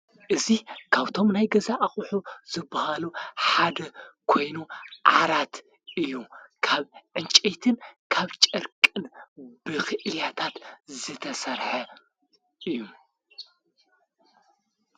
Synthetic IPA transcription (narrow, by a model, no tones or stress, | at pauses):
ʔɨzikʰaβt̪ʰo̞mnajɡɐzaʔaχʼħuz̥ɨbːɐhaluħad̪ɐkʰo̞jnuʕa̰ɾat̪ | ʔɨjːukʰaβʕɨnt͡ʃʼet̪ʰɨnkʰaβt͡ʃʼɐɾkʼɨnbɨxɨʔɨljat̪ʰat̪zɨt̪ʰɐsɐɾħɐ | ʔɨjːu